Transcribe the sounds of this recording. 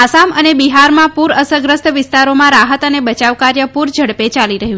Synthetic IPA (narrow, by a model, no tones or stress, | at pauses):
asamənebiɦaɾmãpuɾəsəɡɾəst̪ʋɪst̪aɾomãɾaɦət̪ənebət͡ʃaʋkaɾjəpuɾd͡ʒʱəɽpet͡ʃaliɾəɦjũ